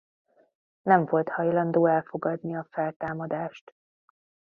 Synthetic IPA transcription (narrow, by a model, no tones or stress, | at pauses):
nɛɱvo̞lt̪hɒjlɒnd̪oːɛlfo̞ɡɒd̪niɒfɛlt̪aːmɒd̪aːʃt̪